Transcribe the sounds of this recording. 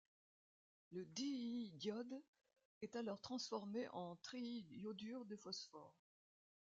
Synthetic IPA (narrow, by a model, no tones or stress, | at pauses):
ləd̪idjɔd̪ | ɛt̪alɔʁt̪χɑ̃sfɔʁmeʔɑ̃t̪χijod̪yʁd̪əfɔsfɔːʁ